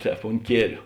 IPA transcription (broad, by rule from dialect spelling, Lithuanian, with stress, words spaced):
ˈtʲɛːp ʊnt ˈkʲiɛlʲʊ